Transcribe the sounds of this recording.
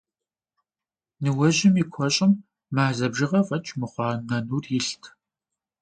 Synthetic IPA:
nɨwɐʑɪmikʷʰɔɕʼɪmː | aːzɐbʒɨʁɐfʼɐt͡ʃʰʼmɨχʷɑːnɐnuːrjɪɬtʰ

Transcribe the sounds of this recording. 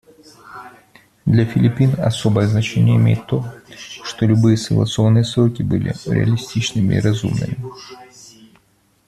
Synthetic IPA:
d̪lʲɐfʲɪlʲɪpʲinɐ̰so̞bəjəznɐt͡ɕenʲɪjəɪmʲḛjɪt̪ːo̞ʂt̪o̞lʲʊbɨjəsəɡlˠɐ̰t̪sɨo̞nːɨjəsɾokʲɪbɨlʲɪ̰ɾʲɪ̰ɐ̰lʲɪsʲtʲit͡ɕnɨmʲɪ̰iɾɐzṵmnɨ̰mʲɪ

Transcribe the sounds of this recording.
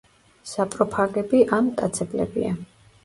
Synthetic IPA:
sapʼɾɔpʰaɡɛbiʔamt̪ʼat̪sʰɛblɛ̰bḭa

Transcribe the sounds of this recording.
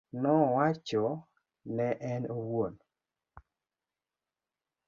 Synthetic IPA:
nɔwat͡ʃɔ | nɛʔɛnowon

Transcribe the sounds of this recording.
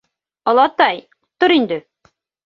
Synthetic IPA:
ɤ̆lˠɑt̪ɑj | t̪ːoɾind̪ɘ

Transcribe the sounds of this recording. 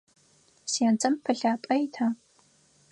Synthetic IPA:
sjant͡sʼɐmpʰɨɬaːpʼɐjtʰaː

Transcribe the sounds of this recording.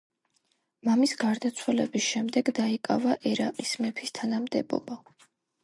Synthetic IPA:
mamisɡaɾd̪at̪sʰwɛlɛbisʃɛmd̪ɛɡd̪aikʼa̰vaʔɛɾaqʼismɛpʰist̪ʰanamd̪ɛbɔ̰ba

